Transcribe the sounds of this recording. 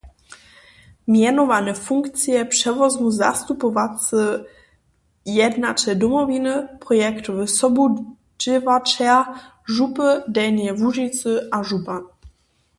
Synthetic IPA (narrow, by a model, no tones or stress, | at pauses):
mjɛnɔvanɛfuŋkt̪t͡sjɛpʂɛvɔzmuza̰st̪upɔvat͡sɨ | jɛd̪nat͡ʃɛd̪ɔmɔvinəpɾɔjɛkt̪uvɘsɔbu | d͡ʒɪvat͡ʂa | ʐupədɛjnjɛvuʐit̪t͡s̪ɨʔaʐupa